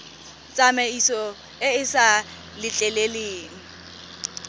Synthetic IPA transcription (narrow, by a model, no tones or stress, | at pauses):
t͡sʼameisɔ | ɪɪsa | lɪt͡ɬʼɛleleːŋ̩